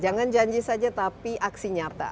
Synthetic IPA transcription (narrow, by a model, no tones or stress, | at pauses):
d͡ʒaŋand͡ʒaɲd͡ʒisad͡ʒat̪apiʔaksiɲat̪a̰